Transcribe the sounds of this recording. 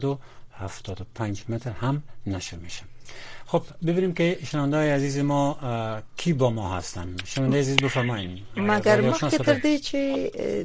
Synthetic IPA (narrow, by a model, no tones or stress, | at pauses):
d̪uhaft̪ʰɔd̪ʊpʰand͡ʒmet̪ʰɾhamnaʃɾmeʃamxobbibinimkiʃɪnavand̪ɔjiazizɪmɔ | kʰibɔmɔɦa̰st̪a̰nʃɪnavand̪ejazizbɪfaɾmɔjimmaɡaɾɔʃɔket̪əɾd̪it͡ʃʰi